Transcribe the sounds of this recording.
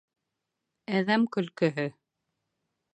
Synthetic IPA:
æðæmkɵ̆lkɵ̆ɦɵ

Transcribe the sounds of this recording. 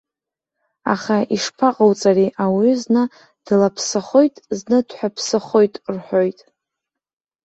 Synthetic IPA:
a̰χaiʂpʰaqʼawt͡sʼariʔawiznɨ | d̥lapʰsɨχo̞jtʼznɨdħʷᶣapʰsɨχo̞jtʼrħʷᶣojtʼ

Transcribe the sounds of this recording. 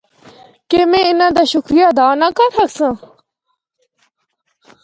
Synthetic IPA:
kemẽinãd̪aɕukɾijad̪aːnakaɾʰɐksə̃

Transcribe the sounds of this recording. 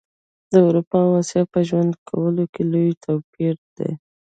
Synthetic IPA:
d̪̥əawɾupɑwasjɑpəʒwand̪kʰawəlokelojt̪ʰawpiɾd̪ḛ

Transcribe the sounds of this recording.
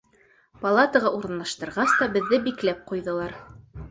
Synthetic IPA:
pɐlˠat̪əʁɑʔuɾɤ̆nlˠɑʃt̪ɤ̆ɾʁɑst̪ɑbɘ̆ðːɘbiklæp̚qujðɤ̆lˠɑɾ

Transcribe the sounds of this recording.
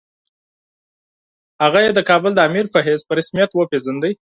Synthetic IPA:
haɣajed̪əkɑbəld̪əamiɾfaɦezpəɾɪsmijat̪wəpezənd̪əj

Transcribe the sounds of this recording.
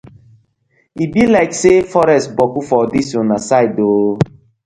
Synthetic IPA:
ibilaɪksefɔɾɛstbɔkufɔdisɔ̃nasaɪdoː

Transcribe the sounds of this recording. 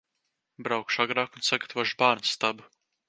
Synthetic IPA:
bɾawkʃaɡɾaːkunsaɡat̪ʰvɔʃbaːɾnsːt̪abu

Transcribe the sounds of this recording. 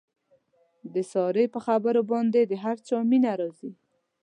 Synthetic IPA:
d̪əsɑɾəjpəxabəɾobɑnd̪ed̪əɦaɾt͡sɑminaɾɑzi

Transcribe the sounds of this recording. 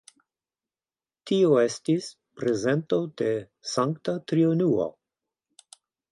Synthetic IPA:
tioestis | pɾeze̞nto̞de̞ | saŋktat̪ɾionuo̰

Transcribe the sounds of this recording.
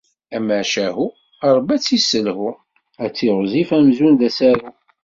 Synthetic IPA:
æməʕʃæhu | ɑɾˤbæt͡sːisəlhu | æt͡sːiʁzifæmzunðæsæɾu

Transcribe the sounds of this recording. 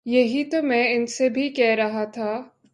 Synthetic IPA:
jɐɦit̪omɛ̃ɪnsebʱikɛɦɾɐɦat̪ʰaː

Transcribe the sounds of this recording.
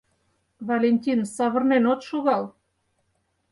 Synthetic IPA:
vɑlʲenʲt̪ʲinsɑβə̆rnenot̪ʃoɣɑl

